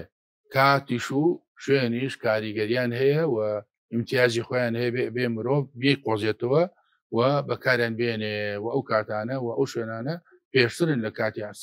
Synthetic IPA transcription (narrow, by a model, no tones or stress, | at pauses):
kʰaːt̪iʃu | ʃweniʃkaːɾiɡɐɾijaːnhɐjɐwɐ | ɪmt̪ʰijaːzixoːjaːnhɐjɐbebemɨɾoːvbiqozet̪ɐwɐ | wɐbɐkʰaːɾjaːnbenewɐɐwkʰaːt̪aːnɐwɐʔɐwʃweːnaːnɐ | peːʃt̪ɨɾɨnlɐkaːt̪iʕas